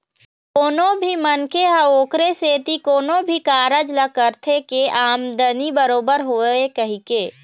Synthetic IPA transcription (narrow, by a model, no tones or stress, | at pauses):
koːnõbʱimənkeɦaoːkɾeseːt̪ikoːnobʱikaːɾəd͡ʒləkəɾt̪ʰekeʔaːmd̪ənibəɾoːbəɾɦoːekɐɦikeː